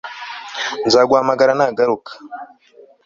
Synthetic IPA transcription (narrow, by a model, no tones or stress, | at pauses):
nzaɡwamaɡaɾanaɡaɾuk